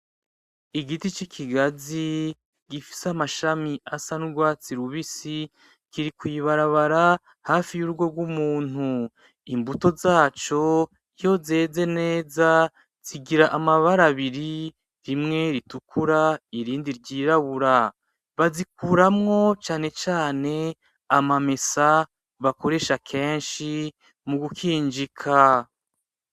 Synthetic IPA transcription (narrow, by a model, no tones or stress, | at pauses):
iɡitit͡ʃikʰiɡazi | ɡifi̥samaʃamiʔasanuɾɡwaːt͡siɾuβisi | kiɾikwiβaɾaβaɾa | haːfijuɾuɡwo̞ɡwumuːn̥u | imbuto̞zaːt͡ʃo̞ | ijo̞ze̞ːze̞ne̞ːza | z̥iɡiɾaʔamaβaɾaβiɾi | ɾimŋe̞ɾitukʰuɾaiɾiːndiɾɟiːɾaβuɾa | βazik̚uːɾamŋo̞t͡ʃaːne̞t͡ʃaːne̞ | amame̞sa | βako̞ɾe̞ʃakʰe̞ːnʃi | muɡukʰiːnd͡ʒikʰa